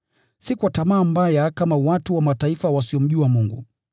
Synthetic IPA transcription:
sikuwatamaːmbajakamawatuwamataifawasiɔm̩ʄuamuŋɡṵ

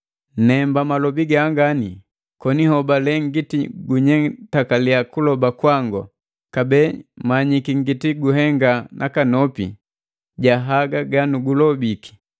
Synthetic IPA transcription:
nɛmbamalɔbiɡaːŋɡani | kɔnihɔbalɛŋɡitiɡuɲɛŋtakaliakulɔbakwaŋɡɔ̰ | kabɛmaɲikiŋɡitiɡuɦɛŋɡanʔakanɔpḭ | ɟaɦaɡaɡanuɡulɔbiki̥

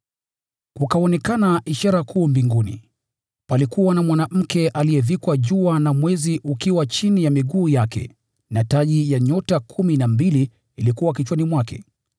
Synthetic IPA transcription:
kukaɔnɛkanaʔiʃaɾakʰuːmbiŋɡunḭ | palikuwanamwanam̩kɛʔalijɛvikwaʄuanamwɛziʔukiwat͡ʃinijamiɠuːjakɛ̰ | nataʄijaɲɔtakʰuminambiliː | likuwakit͡ʃwanimwakɛ̰

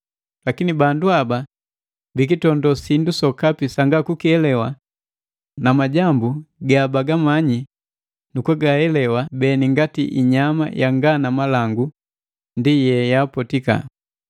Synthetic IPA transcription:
lakinibanduaba | bik̬itɔndɔsindusɔkapisaŋɡakukiɛlɛwa | namaɟambuɡabaɡamaɲi | nukuɡahɛlɛwabɛniŋɡatiʔiɲama̰jaŋɡanamalaŋɡu | ndijɛjaːpɔtika̰

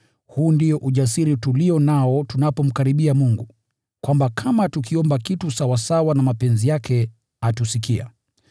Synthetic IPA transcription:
huːndijɔʔuʄasiɾituliɔnaɔtunapɔm̩kaɾiɓiamuŋɡu | kwambakʰamatukiɔmbakitusawasawanamapɛnzijakʰɛ | atusikia̰

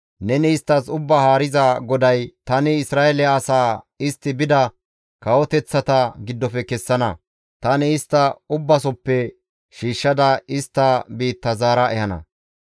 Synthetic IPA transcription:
nɛnɪɪst̪ːɐsʊbːɐhaːɾɪzɐɡɔd̪ɐjt̪ɐnɪɪsɾaːɛlɛːsaː | ɪst̪ːɪbɪd̪ɐ | kɐwɔt̪ɛt͡sːɐt̪ɐɡɪd̪ːɔfɛkɛsːɐnɐ | t̪ɐnɪɪst̪ːɐʊbːɐsɔpːɛ | ʃiːʃːɐd̪ɐɪst̪ːɐbiːt̪ːɐzaːɾɐʔɛhɐnɐ̰

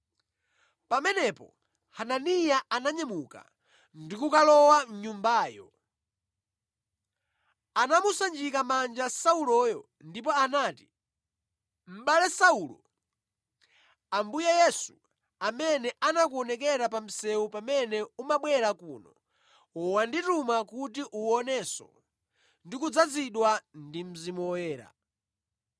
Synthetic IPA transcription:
pamɛnɛpɔ̰ | hananijaanaɲɛmuka̰ | ndikukalɔwamɲumbaːjɔ̰ | anamusand͡ʒikamand͡ʒasaulɔjɔ | ndip̬ɔanaːti | m̩ɓalɛsaulɔ | ambujɛjɛsu | amɛnɛʔanak̬uɔnɛk̬ɛɾapam̩sɛupamɛnɛumaɓwɛɾakuːnɔ̰ | ɔwanditumakutiʔuɔnɛsɔ̰ | ndikud͡zad͡ziɗwandim̩zimwɛːɾa̰

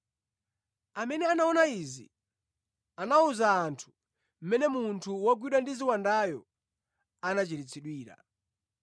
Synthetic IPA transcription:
amɛnɛanaɔnaizi | anauzaːntʰu̥ | m̩mɛnɛmuntʰuwaɡwiɗwandiziwandajɔ | anat͡ʃiɾit͡sʰiɗwiːɾa̰

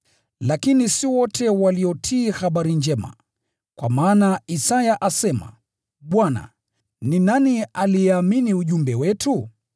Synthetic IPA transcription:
lakinisiwɔtʰɛwaliɔtʰiːhaɓaɾind͡ʒɛma̰ | kwa̰maːnaisajaʔasɛma̰ | ɓwana̰ | ninanialijɛaminiuʄumbɛwɛtʰu

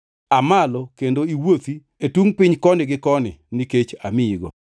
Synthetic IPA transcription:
amalɔkendoiwot̪i | etwuŋpɪɲkɔnɪɡɪkɔnɪ̰niket͡ʃamɪiɡɔ̰

